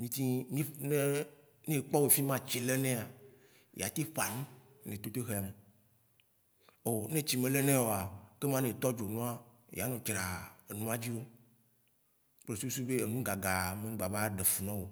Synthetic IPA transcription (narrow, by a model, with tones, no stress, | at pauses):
ɲĩ˦t̪i˦nĩ˦ne˦ | nẽ˦˨k͡pɔ˦we˨fi˦mã˦t͡ʃe˨le˦nẽ˦a˨ | j̰a̰˨t̪i˦ɸa˨nũ˦ | nẽ˨t̪o˦t̪e˦ɦe˨a˨me˨ | o˨nẽ˦t͡ɕi˨mẽ˨le˦nɛ̃˦wo˨a˨ke˦mã˦nẽ˨t̪ɔ˦d͡ʒo˨nũ˦a˦˨j̰a˨nõ˨t͡ʃɾa˨e˨nũ˦a˦d͡ʑi˦wo˦ | k͡ple˨su˦u˦su˦be˦e˨nũ˦ɡa˨ɡa˨mẽ˨˦ɡ͡ba˨ba˦ɖe˨fu˨nɔ̃˦wo˨